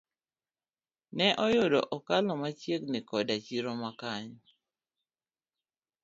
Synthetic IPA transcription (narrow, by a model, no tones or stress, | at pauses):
nɛʔɔjʊdɔ̰ʔɔkalɔmat͡ʃjeknɪkɔdat͡ʃiɾɔmakaɲ